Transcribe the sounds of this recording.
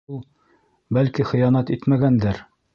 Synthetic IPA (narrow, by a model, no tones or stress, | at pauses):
ulˠ | bælkiχɤ̆jɑnɑt̪it̪mæɡænd̪æɾ